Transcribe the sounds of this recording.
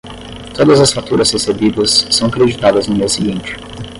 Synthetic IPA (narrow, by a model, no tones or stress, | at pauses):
t̪od̪ɐzɐsfat̪uɾɐz̥hesebid̪ɐsːɐ̃w̃ɐkɾed͡ʒit̪ad̪ɐznʊmiɐsiɡĩnt͡ʃɪ̥